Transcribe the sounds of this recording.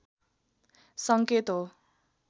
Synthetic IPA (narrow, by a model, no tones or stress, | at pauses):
sʌŋket̪ɦo